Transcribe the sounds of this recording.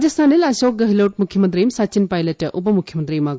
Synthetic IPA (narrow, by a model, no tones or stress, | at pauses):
d͡ʒɐst̪ʰanilɐsok̚ɡɐɦilɐwʈ̚mukʰjɐmɐnt̪ɾijmsat͡ʃinpajlɐtʔup̬ɐmukʰjɐmɐnt̪ɾijma